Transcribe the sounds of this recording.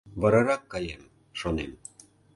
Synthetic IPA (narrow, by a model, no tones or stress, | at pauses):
βɤ̆ɾɤ̆ɾɑkːɑjem | ʃonḛm